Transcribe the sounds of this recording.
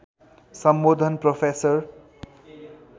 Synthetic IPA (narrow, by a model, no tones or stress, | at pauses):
sʌmbod̪ʱʌnpropʰesʌr